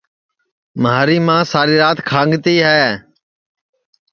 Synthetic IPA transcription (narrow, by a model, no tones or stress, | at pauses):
mɦaːɾiːmãːsaːɾiːɾaːt̪kʰãːŋɡt̪iːɦɛː